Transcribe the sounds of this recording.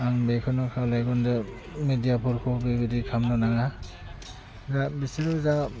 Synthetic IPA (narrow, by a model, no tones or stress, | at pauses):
aŋbekʰɯnɔkʰalajɡɔnde | medijapʰuɾkʰɔbibidikʰamnɔnaɡa | zabisiɾɔza